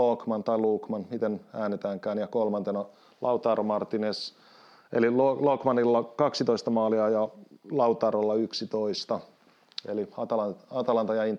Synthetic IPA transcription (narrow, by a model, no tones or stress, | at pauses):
okmɑnt̪ɑiluːkmɑnmit̪enæːnet̪æːŋkæːnjɑkolmɑnt̪enɑ | lʔɑut̪ɑːrmɑrt̪ines | ḛlilolokmɑnilːɑkɑksit̪oist̪ɑmɑːliɑjɑlɑut̪ɑːrolːɑyksit̪oist̪ɑ | eliɑt̪ɑlɑɑt̪ɑlɑnt̪ɑjɑin